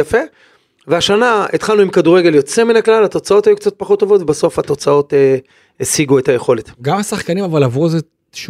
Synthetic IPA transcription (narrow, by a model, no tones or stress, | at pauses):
jafe̞ | veaʃanait̪χalnuimkaduʁeɡe̞ljo̞t͡se̞minaklalhat̪o̞t͡sao̞t̪ajukt͡sat̪̚paχot̪ːo̞vo̞t̪vebaso̞fhat̪o̞t͡sao̞te | esiɡue̞thaje̞χo̞le̞tɡamasaχkanimavalavuze | ʃu